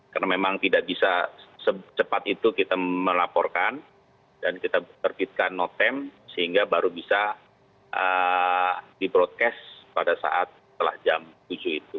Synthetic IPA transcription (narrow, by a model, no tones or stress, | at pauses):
kaɾənamemaŋt̪idaʔbisasət͡ʃəpat̪it̪ukit̪aməlapɔrkan | dankit̪at̪ərbit̪̚kanːot̪ɛmsəhiŋɡabaɾubisa | ʔə | dibɾot̪̚kɛspadasa̰ʔat̪̚sət̪əla̰hd͡ʒamt̪ud͡ʒuit̪u